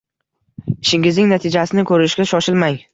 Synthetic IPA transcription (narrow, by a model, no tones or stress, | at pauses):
ɪʃɪŋʲɪznɪŋnat̪ʰɪd͡ʒasɪnɪkʰɵɾɪʃɡʲaʃɒʃɪlmaŋ